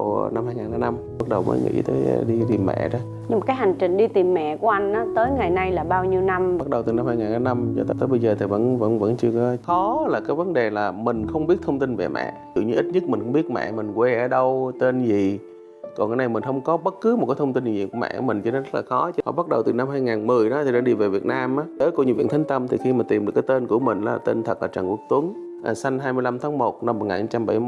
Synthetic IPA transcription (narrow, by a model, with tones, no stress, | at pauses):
na˧mhaː˧jŋaː˨˩nlaː˨˦na˧m | ɓa˦˥t̚ɗə˨˩wmə̰ː˨˦jŋʔḭ˧˥t̪əː˨˦jɗi˧t̪i˨˩mːɛ̰˧˨ɗɔ˨˦ | ɲɨ˧m˨˩kːaː˨˦jɦa˨˩ŋ̟t͡ɕï˨˩ŋ̟ɗi˧t̪i˨˩mːɛ̰˧˨ku˧˩˦ʔa˧jŋ̟ʔaː˨˦t̪əː˨˦jŋa˨˩jna˧jlaː˨˩ɓaː˧wɲi˧əwna˧ma˦˥t̚ɗə˨˩wt̪ɨ˨˩na˧mhaː˧jŋaː˨˩nlaː˨˦na˧mt͡ɕɔ˧t̪aː˧t̪əː˨˦jɓə˧jzəː˨˩t̪ʰi˨˩və̰˧˥nvə̰˧˥nvə̰˧˥nt͡ɕɨ˧əkɔ˨˦xɔ˨˦laː˨˩kaː˨˦jvə˨˦nɗe˨˩laː˨˩mï˨˩ŋ̟xə˧wŋ͡mɓi˦˥ət̚t̪ʰə˧wŋ͡mt̪i˧nvḛ˨˩mɛ̰˧˨zɨ̰˧˨ɲɨ˧ʔi˦˥t̚ɲɨ˦˥t̚mï˨˩ŋ̟xə˧ŋ͡mɓi˦˥ət̚mɛ̰˧˨mï˨˩ŋ̟kwe˧ʔəː˧˩ɗə˧wt̪e˧nzi˨˩ | kɔ˨˩nkaː˨˦na˧jmï˨˩ŋ̟xə˧wŋ͡mkɔ˨˦ɓə˦˥t̚kɨ˨˦mo˨˩t̚kaː˨˦t̪ʰə˧wŋ͡mt̪i˧ni˨zi˨˩ku˧˩mɛ̰˧˨˧mï̟˨˩t͡ɕɨ˧˦nɔ˨˦zə˦˥t̚laː˨˩xɔ˨˦t͡ɕhɔ̰˧˨˩ɓa˦˥t̚ɗə˨˩wt̪ɨ˨˩na˧mɦaː˧jŋaː˨˩nmɨ˨˩əjɗɔ˨˦t̪ʰi˨˩ɗaː˧˥ɗi˧ve˨˩vi˨˩ət̚naː˧mʔaː˨˦ɗəː˨˦jku˧˩ɲɨ˧˦˩vi˧˨nt̪ʰŋ̟t̪ə˧mt̪ʰi˨˩xi˧maː˨˩t̪i˨˩mɗɨ˨˩kːt̪e˧nku˧˩əmï˨˩ŋ̟la˨˦˨t̪e˧nt̪ʰə˨˩k̚la̰ː˨˩t͡ɕaː˨˩ŋku˧˦˩ək̚t̪wu˨˦əŋ | ʔaː˨˩sa˧jŋɦaː˧jmɨ˧əjla˧mt̪ʰaː˨˦ŋmo˨˩t̚na˧mːo˨˩k̚ŋaː˨˩ha˧˦t͡ɕa˧mɓa̰˧˩j